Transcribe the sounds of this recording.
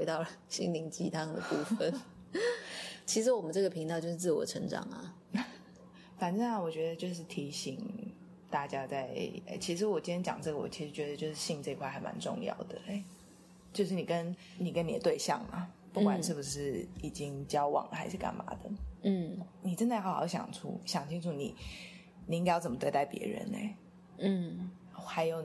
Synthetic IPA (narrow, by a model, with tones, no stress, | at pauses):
xwe˧˥ɪt̪ɑ˥˩ʊlə˩ɕḭ˥ŋli˧˥ŋt͡ɕi˧˩t̪ʰa˥ŋ˧d̪ə̰˨˩pu˥˧fə˨˩n | t͡ɕʰi˧˥ʂ̬ɻ̩˧˥wɔ˨˩mə˦nʈ͡ʂɤ˥˩ɡə˩pʰi˧˥ŋt̪ɑ˥˧ʊt͡ɕjo˥˧ʂɻ̩˥˧t͡s̩˥˩wɔ̰˨˧˩ʈ͡ʂʰə̰˧˥ŋʈ͡ʂɑ̰˨˩ŋa̰˨˩ | fa˨˩nʈ͡ʂə˥˩a˨˩wɔ˨˩t͡ɕɥɛ˧˥d̪ə˧t͡ɕjo˥˧ʊʂ̬ɻ̩˥˩t̪ʰi˧˥ɕi˨˩ŋ | t̪a˥˩t͡ɕja˥t͡sa˥˩ɪḛ˥˩t͡ɕʰi˧˥ʂ̬ɻ̩˧˦wɔ˨˩t͡ɕi˥njɛ˧˥t͡ɕjɑ̰˨˩ŋʈ͡ʂɤ˥˩ɡə˩wɔ̰˨˩t͡ɕʰi˧˥ʂɻ̩˧˥t͡ɕɥɛ˧˥d̪ə˧t͡ɕjo˥˧ʊʂɻ̩˥˧˩ɕi˥˧ŋʈ͡ʂɤ˥˧i˧kʰwa˥˩a˨˩ɪma̰˧˥nʈ͡ʂʊ̰˥˧ŋjɑ̰˥˨˩ʊd̪ə˩e˥ɪ | t͡ɕjo˥˧ʊʂ̬ɻ̩˥˩ni˨˩kə˦n | ni˨˩kə˦ni˨˩ə˩t̪we˥˧ɪɕjɑ̰˥˩ŋma̰˩pu˥˩kwa˨˩nʂɻ̩˥˩bu˩ʂ̬ɻ̩˥˩i˨˩t͡ɕi˦ŋt͡ɕjɑ˥ʊwɑ̰˨˩ŋlə̰˨˩xa˧˥ɪʂɻ̩˥˩ka̰˨˩nma̰˧˥d̪ə̰˨n̩˥˩ni˨˩ʈ͡ʂə˥nd̪a˥˩ɪxɑ˧˥xɑ̰˧˥ɕjɑ̰˨˩ŋʈ͡ʂʰṵ˥ɕjɑ˨˩ŋt͡ɕʰi˥nʈ͡ʂʰu˥˩nḭ˨˩˦ | ni˨˥ŋkjɑ˥˩t͡sə˨˩mə˦t̪we˥˧ɪt̪a˥˩ɪpjɛ̰˧˥ɻə̰˧˦nḛ˧˩ɪ˥˩ | xa˧˥ɪjo˨˩ʊ